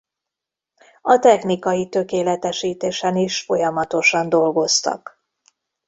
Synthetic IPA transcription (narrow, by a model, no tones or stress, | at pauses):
ɒt̪ɛxnikɒjit̪ø̞keːlɛt̪ɛʃiːt̪eːʃɛniʃfo̞jɒmɒt̪o̞ʃɒnd̪o̞lɡo̞st̪ɒ̰k